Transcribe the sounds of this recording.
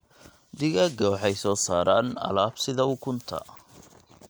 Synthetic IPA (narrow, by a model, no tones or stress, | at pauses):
d̪ɪɣɐɡɔħɛjsɔːsaːɾaːnɐ̰laːbsɪðɐʊkʰʊnt̪ʰɐ̰